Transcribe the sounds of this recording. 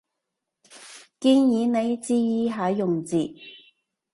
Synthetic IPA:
kiː˧njiː˨˧˥ne˨˧jt͡siː˧jiː˧ɦaː˨˥jʊ˨ŋt͡siː˨

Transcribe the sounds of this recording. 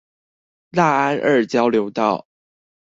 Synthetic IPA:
la˥˩a˥nʔə˞˥˩t͡ɕjɑ˥ʊljo˧˥ʊt̪ɑ˥˩ʊ

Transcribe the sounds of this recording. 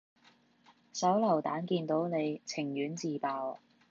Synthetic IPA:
sɐ˨˥wlɐ˨˩wt̪a̰ː˨˥nkiː˧nt̪o˨˥wne˨˧jt͡sʰɪ˨˩ŋjyː˨˥nt͡siː˨˧paː˨˧w

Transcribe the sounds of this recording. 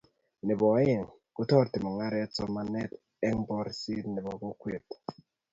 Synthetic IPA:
ni˨bɔ˨˦je˨ŋ | ku˦tɔ˦˨ɾti˨ma˨ŋa˦ɾɛ˦t͡sɔ˦ma˦nɛ˦t | ɛ˦ŋbɔ˦ɾsi˦ni˨bɔ˨ku˦kwe˨t

